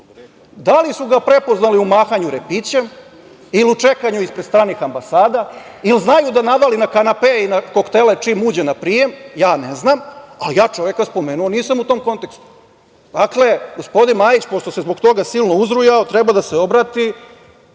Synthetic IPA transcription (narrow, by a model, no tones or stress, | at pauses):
d̪alisuɡapɾe̞po̞znaliumaːxaɲuɾepit͡ɕem | iliut͡ʂe̞kaɲuispɾest̪ɾaːnixambasaːd̪ailznajud̪anaʋalinakanapeinako̞kt̪ele̞t͡ʂimuːd͡ʑenapɾije̞mjaːneznamalijaːt͡ʂo̞ʋjekaspo̞me̞nuoniːsamut̪o̞mko̞nt̪e̞kst̪u̥ | d̪akle̞ɡo̞spo̞d̪inmaːjit͡ɕpo̞st̪o̞sezbo̞kt̪o̞ɡasilˠno̞uzɾujaot̪ɾebad̪aseo̞bɾat̪i